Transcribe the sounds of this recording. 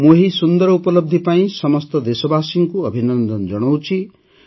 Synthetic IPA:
moɦisund̪ɔɾɔupɔlɔb̚d̪ʱipaĩsɔmɔst̪ɔd̪esɔbasiŋkuʌbʱinɔnd̪ɔnd͡ʒɔɽ̃ɔwt͡ʃʰi

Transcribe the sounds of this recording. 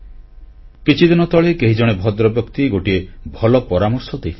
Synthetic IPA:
kit͡ʃʰid̪inɔt̪ɔɭekeɦid͡ʒɔɽ̃ebʱɔd̪ɾɔbjɔkt̪iɡoʈiebʱɔlɔpɔɾamɔɾsɔd̪ejli

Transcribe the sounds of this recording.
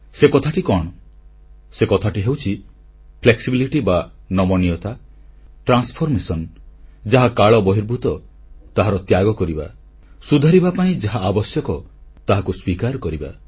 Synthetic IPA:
sekɔt̪ʰaʈikɔɽ̃ɔ | sekɔt̪ʰaʈiɦewt͡ʃʰi | pʰleksibiliʈibanɔmɔnijɔt̪aʈɾanspʰɔɾmesɔnd͡ʒaɦakaɭɔbɔɦiɾbʱut̪ɔ | t̪aɦaɾɔt̪jaɡɔkɔɾiba̰ | sud̪ʱaɾibapaĩd͡ʒaɦaːbɔsjɔkɔt̪aɦakuswikaɾkɔɾiba̰

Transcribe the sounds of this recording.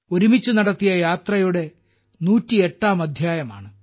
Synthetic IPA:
oɾumit͡ɕːunɐɽɐt̪ːijɐjaːt̪rɐjuɽe̞ | nuːtːieʈːaːmɐd̪ʱjaːjɐma̰ːɳɨ

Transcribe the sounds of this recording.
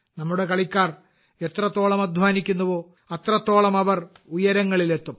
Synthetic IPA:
nɐmːuɽe̞kɐɭikʲːaːr | e̞t̪rɐt̪ːo̞ːɭɐmɐd̪ʱʋaːnikʲːunːɐʋo̞ː | ɐt̪rɐt̪ːo̞ːɭɐmɐʋɐr | ujɐɾɐŋːɐɭile̞t̪ːum

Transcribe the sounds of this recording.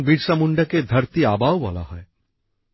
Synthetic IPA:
biɾsamuɳɖəked̪ʱəɾt̪iaːbʱaʋʋa̰la̰ɦɔ̰e

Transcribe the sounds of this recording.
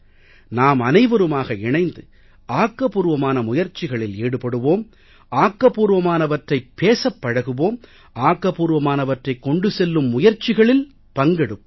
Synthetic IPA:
naːmɐnɐɪʋɐɾɯmaːɣɐɪɳɐɪnd̪ɯ | aːkːɐpuːɾʋɐmaːnɐmʊjɐɾt͡ʃːɪɣɐɭɪleːɽɯpɐɽɯʋoːm | aːkːɐpuːɾʋɐmaːnɐʋɐʈrɐɪpːeːsɐpːɐɻɐɣɯʋoːm | aːkːɐpuːɾʋɐmaːnɐʋɐʈrɐɪkːɔɳɖɯsɛlːɯmːʊjɐɾt͡ʃːɪɣɐɭɪl | pɐŋɡɛɽɯm

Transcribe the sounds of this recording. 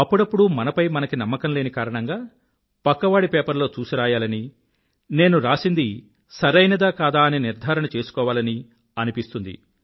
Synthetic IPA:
ɐpːuɽɐpːuɽumɐnɐpɐjmɐnɐkinɐmːɐkɐmle̞ːnikaːɾɐɳɐŋɡaː | pɐkːɐʋaːɽipeːpɐɾlo̞ːt͡ʃuːsiɾaːjaːlɐni | ne̞ːnuɾaːsind̪i | sɐɾɐjnɐd̪aːkaːd̪aːɐniniɾd̪ʱaːɾɐɳɐt͡ʃe̞ːsu̥kɔːʋaːlɐni | ɐnipist̪und̪ḭ

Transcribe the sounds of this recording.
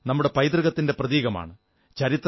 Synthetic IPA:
nɐmːuɽe̞pɐjd̪rɨɣɐt̪ːinde̞prɐðiːɣɐma̰ːɳɨ | t͡ɕɐɾit̪ːr

